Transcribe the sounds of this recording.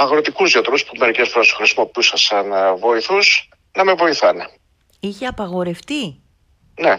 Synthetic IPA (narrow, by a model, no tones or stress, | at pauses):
ɐɣɾo̞t̪ikuzʝɐt̪ɾuspume̞ɾicesfoɾest̪oxɾisimo̞pisɐsɐnvo̞iθus | nɐme̞vo̞iθɐne | içeɐpɐɣo̞ɾe̞ft̪i | ne